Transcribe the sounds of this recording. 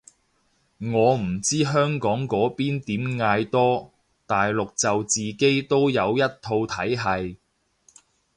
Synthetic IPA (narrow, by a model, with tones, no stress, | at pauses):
ŋɔː˨˧m̩˨˩t͡siː˥ɦœː˥ŋkɔː˨˥ŋkɔː˨˥piː˥nt̪iː˨˥mŋaː˧jt̪ɔː˥ | t̪aː˨jlʊ˨k̚t͡sɐ˨wt͡siː˨ke˥jt̪o˥wjɐ˨˧wjɐ˥t̚t̪ʰo˧wt̪ʰɐ˨˥jɦɐ˨j